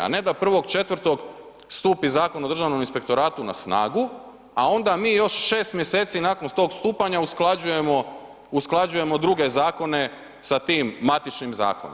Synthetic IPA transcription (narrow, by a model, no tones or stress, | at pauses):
a̰ne̞d̪apr̩ʋo̞ɡt͡ʃe̞t̪ʋr̩t̪o̞ɡ | st̪uːpizaːko̞nao̞d̪ɾr̩ʒaʋnominspe̞kt̪o̞ɾaːt̪una̰sna̰ːɡu | a̰o̞nd̪amiːjo̞ʃʃe̞ːst̪mje̞se̞ːt̪sinaːko̞nt̪o̞ːɡst̪uːpaɲausklˠad͡ʑuje̞mo̞ | usklˠad͡ʒuje̞mo̞d̪ɾuɡe̞zaːko̞ne̞ | sat̪iːmːat̪it͡ʃnimza̰ːkono